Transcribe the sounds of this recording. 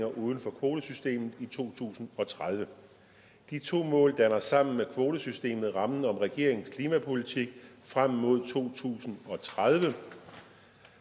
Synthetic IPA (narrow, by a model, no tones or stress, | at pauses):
ŋɐʔuːð̞ˠn̩fɒ̽kʰʋo̝ːd̥əsysd̥e̝̰ːmð̩ˠit͡sʰo̝̰ːt͡sʰṵːsn̩ɒ̽t͡sʰʁað̞ˠʋə | d̥it͡sʰo̝̰ːmɔ̰̽ːld̥ænɐsɑ̈m̰n̩mekʰʋo̝ːdəsysd̥e̝̰ːmð̞̩ˠʁɑ̈mn̩ɒ̽mʁɛɡ̥e̝ɐe̝ŋskʰliːmæpʰo̝lit͡sʰiɡ̥̚fʁam̰ːo̝ð̞̰ˠt͡sʰo̝̰ːt͡sʰṵːsn̩ɒ̽t͡sʰʁað̞ˠʋə